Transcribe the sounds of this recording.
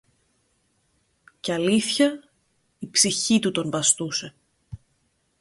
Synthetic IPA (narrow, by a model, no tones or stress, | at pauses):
ceɐliθçɐ | ipsiçit̪ut̪o̞nbɐst̪use̞